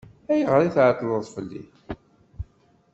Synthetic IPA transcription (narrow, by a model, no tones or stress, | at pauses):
æjəʁɾˤiθʕət̪ːləðˤfəlːḭ